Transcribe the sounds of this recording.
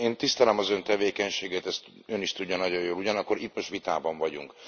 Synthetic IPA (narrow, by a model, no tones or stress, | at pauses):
eːnt̪ist̪ɛlɛmɒzø̞nt̪ɛveːkɛɲʃeːɡɛt̪ɛst̪ | øniʃt̪uɟːɒnɒɟo̞joːluɟɒnɒkːo̞rɾit̪mo̞ʃt̪ʋit̪aːbɒɱvɒɟuŋk